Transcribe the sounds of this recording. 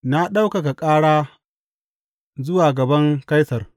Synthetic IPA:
na˦ɗa˦wka˨ka˨kʼaː˦ɽaː˦ | zʊ˦waː˨ɡɐ˨bɐ˦ŋka˦jsɐ˨r

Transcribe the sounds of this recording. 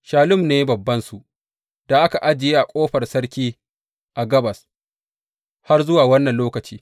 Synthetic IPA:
ʃaː˨lʊ˦mneː˦bɐ˨bːɐ˦nsu˨ʔ | d̥a˨ʔa˦ka˨ʔa˦d͡ʒɪ˨jeː˦ʔa˨kʷʼoː˦ɸɐ˨rsɐ˦ɽkʲiː˦ | ʔa˨ɡɐ˦bɐ˨s | ha˦rzʊ˦waː˨wɐ˦nːɐ˨nloː˦kɐ˨t͡ʃiː˦

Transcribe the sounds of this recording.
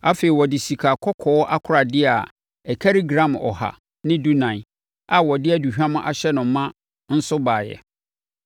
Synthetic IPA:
a˦fe˨i˨wɔ˨dɪ˨si˨kʰa˨kʰɔ˦kʰɔ˨˦ɔ˦ʔa˦kʰʊ˦ɾa˨dɪ˦a˨ | ɛ˨kʰa˦ɾi˦ɡɾã˨mɔ̰˨ɦa̰˨ | nɪ̃˦du˦nã˨ | a˨wɔ˨dɪ˦ɛ˦du˨hᶣã˦mʊ̃˦ʔa˦˨ɕɛ˦nʊ̃˨m˦mːã˦ | n̩˦sʊ˦baː˨jɛ̰˨

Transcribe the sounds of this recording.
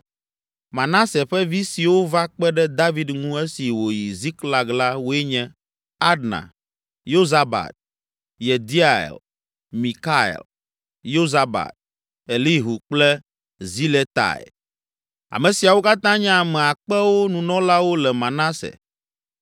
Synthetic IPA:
mã˨na˦sɛ˨ɸɛ˦vi˦si˨wo˦va˦k͡pɛ˦ɖɛ˦d̪a˦vi˦d̪ŋũ˦ɛ˦si˨wo˨ji˨zi˦kla˦ɡla˦wo˦ɛ˦ɲɛ̃˦ | a˦dnã̰˨ | jo˦za˦ba̰˨t̪̚ | je˨d̪i˦a˦˨ḛ˨l | mi˨ka˦ɛ̰˨l | jo˦za˦ba̰˨t̪̚ | e˨li˦ɦu˨k͡plɛ˦ | zi˦le˦t̪a̰˨ɛ̰˨ | a̰˨mɛ̃˨si˨a˨wo˦ka˦t̪ã˦ɲɛ̃˦a˨mɛ̃˨a˨k͡pɛ˦wo˦nũ˨nɔ̃˦la˦wo˦lɛ˨mã˨na˦sɛ̰˨

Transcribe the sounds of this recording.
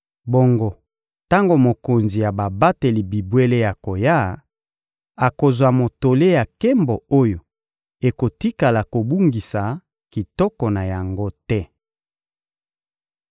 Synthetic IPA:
bo˦ŋɡo˦ | ta˦ŋɡo˨mo˨ko˨nzi˨ja˨ba˨ba˦te˨li˨bi˨bwe˦le˦ja˨ko˨ja˦ | a˨ko˨zwa˨mo˨to˨le˦ja˨kɛ˦mbɔ˨o˦jo˨ | e˨ko˨ti˦ka˨la˨ko˨bu˦ŋɡi˨sa˨ | ki˨tɔ˦kɔ˨na˨ja˨ŋɡo˦tɛ˦

